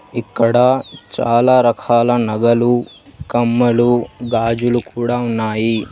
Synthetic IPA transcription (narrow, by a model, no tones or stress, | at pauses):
ikːɐɽɐt͡ʃaːlaːɾɐkʰaːlanɐɡɐlukɐmːɐluɡaːd͡ʒulukuːɽaːunːaːji